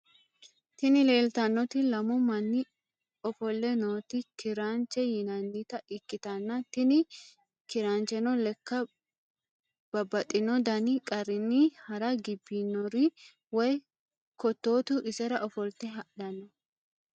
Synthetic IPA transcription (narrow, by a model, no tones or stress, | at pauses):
t̪ɪnɪle̞ːlt̪ɐnːɔt̪ɪlɐmɔmɐnːɪ | ɔfɔlːɛnoːt̪ɪkɪɾaːnt͡ʃɛjɪnɐnːit̪ɐɪkːɪt̪ɐnːɐt̪ɪnɪ | kɪɾaːnt͡ʃɛnɔlɛkːɐ | b̥ɐbːɐt̪ʼːɪnɔd̪ɐnɪkʼɐɾːɪnːɪhɐɾɐɡɪbːinːɔɾɪ | wɔj | kɔt̪ːo̞ːt̪ʊʔɪsɛɾɐʔɔfɔlt̪ɛɦɐʔɗɐnːɔ